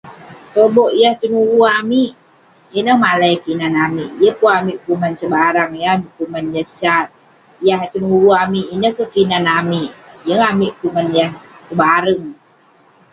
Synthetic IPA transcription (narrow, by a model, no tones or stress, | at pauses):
t̪oboʔijaht̪unuwuamiʔ | jənəhmalaipinanamiʔjəpuamiʔkumant͡ʃəbaɾaŋjəamiʔkumanjəsat̪̚ | ijaɦt̪unuwuamiʔinəhkəpinanamiʔjəŋamiʔkumanjahkəbaɾəŋ